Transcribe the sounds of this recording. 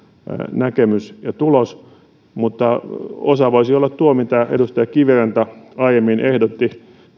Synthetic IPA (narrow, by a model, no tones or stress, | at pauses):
nækemysjɑt̪ulos | mut̪ːɑosɑʋoisiolːɑt̪t̪uomit̪æḛdust̪ɑjɑkiʋirent̪æɑijemːinʔehdot̪ːi